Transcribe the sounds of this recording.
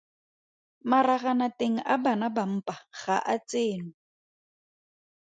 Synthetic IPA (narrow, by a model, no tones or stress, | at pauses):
maraɣanateŋ̩ʔabanabam̩pʼaɣa̰ʔat͡sʼeːnʊ